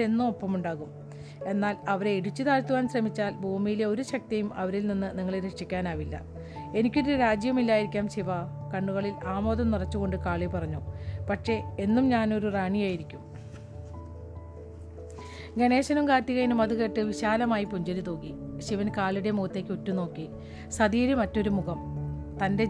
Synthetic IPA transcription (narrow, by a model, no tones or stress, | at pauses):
e̞nːumo̞pːɐmuɳɖaːɣum | e̞nːaːlɐʋɐɾe̞iɽit͡ɕːut̪aːɾt̪ːuʋaːnɕrɐmit͡ɕːaːlbʱuːmijileo̞ɾuɕɐk̚t̪ɐjumʔɐʋɐɾilninːɨniŋːɐɭɾekʂikʲːaːnaːʋilːɐ̰ | e̞nikʲːoɾuɾaːd͡ʑjɐmilːaːjiɾikʲːaːmɕiʋɐkɐɳːuɣɐɭilaːmo̞ːðɐmnirɐt͡ɕːuɣo̞ɳɖɨkaːɭepɐrɐɲːupɐkʂe̞e̞nːumɲaːno̞ɾuraːɳijaːjiɾikʲːum | ɡene̞ːɕɐnumkaːt̪ːiɣɐjinumɐðuɣe̞ːʈːɨʋiɕaːlɐmaːjipuɲd͡ʑɐɾit̪oːɣiɕiʋɐnkaːɭiɽe̞muːt̪ːeːkʲːutːuno̞ːkːi | sɐðiːɾumɐtːo̞ɾumuɣɐmt̪ɐnde̞